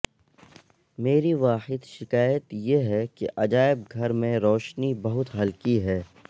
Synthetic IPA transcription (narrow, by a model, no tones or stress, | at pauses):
meːɾiʋaːħɪd̪ʃɪkaːjət̪jeɦɛkeʔɐd͡ʒaːɪb̚ɡʱɐɾmẽɾɔːʃnibɐɦʊt̪ɦɐlkiɦɛː